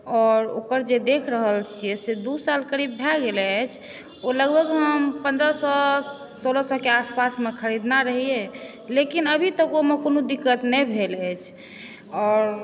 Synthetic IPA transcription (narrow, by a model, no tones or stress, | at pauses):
ɔːɾo̰kəɾd͡ʒed̪ekʰɾəɦəlt͡ʃʰijɛsed̪usalkəɾibːʱɛɡelɛt͡ʃʰ | oləɡbʱəɡɦəmpə̃nd̪ɾəsɔ | solɔsɔkeaspasmekʰəɾid̪naɾəɦie | lekinəbʱit̪əkomekonod̪ikːət̪nɛbʱelɛt͡ʃʰ | ɔːɾ